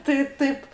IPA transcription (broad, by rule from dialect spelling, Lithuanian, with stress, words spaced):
tɐɪ ˈtɐɪp